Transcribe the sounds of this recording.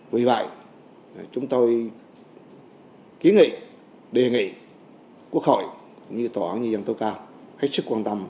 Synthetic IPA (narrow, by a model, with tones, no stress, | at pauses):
vi˨˧˩və̰˧˨j | t͡ɕʊ˨˦ŋ͡mt̪o˧j | ki˨˦nŋḭ˧˨ | ɗe˨˩ŋḭ˧˨ | ku˦˥ək̚hɔ̰˧˨jkʊ̰˧˥˨ŋ͡mɲɨ˧t̪o˧˩ʔaː˨˦nɲɨ˧zə˧nt̪o˧˦wkaː˧ | ha˦˥k̚sɨ˦˥kːwaː˧nt̪ə˧m